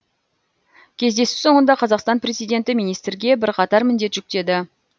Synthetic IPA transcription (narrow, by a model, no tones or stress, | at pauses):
kʲʰe̞zd̪e̞sɪ̥so̞ɴənd̪ɑqʰɑzɑqst̪ɑnpre̞zijd̪ʲe̞nt̪ɪmijnijst̪ɾɡʲe̞bɪɾqʰɑt̪ɑɾmɪnd̪e̞t̪ʒ̥ʏk̚t̪e̞d̪ɪ